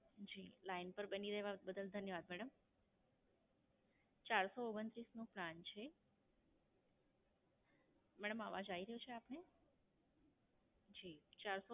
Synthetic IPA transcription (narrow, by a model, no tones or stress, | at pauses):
d͡ʒiːlainpəɾbəniɾəɦeʋãbəd̪əld̪ʱənjəʋaːd̪mɛɽəm | t͡ʃaɾsooɡənt̪ɾisnũplant͡ʃʰe | mɛɽəmaʋad͡ʒaiɾəɦut͡ʃʰeapne | d͡ʒiːt͡ʃaɾso